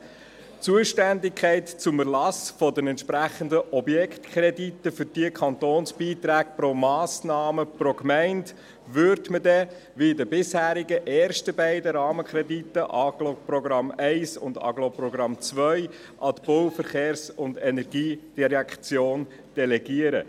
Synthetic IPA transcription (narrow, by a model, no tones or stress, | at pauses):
t͡suəʃtændɪkʰæɪtt͡sʊmərlɑsfɔdənɛntʃpɾæχəndəʔɔbjɛkχtkʰɾɛdit̪ːəfʏɾd̥iəkʰɑnt̪oːnsb̥iːt̪ɾæːk̚pɾomɑːsnɑːməpɾokmæɪnt | ʋʏɾtmədɛ | ʋidəbɪshæːɾiɡəʔɛːɾʃtəbæɪdəɾɑːməkʰɾɛdit̪ːəʔɑɡ̥loprɔɡɾɑmæɪsʊ̰ndɑ̰ɡlopɾɔɡɾɑmt͡svʋœʏ | ʔɑtb̥ɔwfəɾχeːɾsʊndɛnɛɾɡiːd̥ɛɾɛkt͡sjoːn | d̥ɛlɛɡiəɾə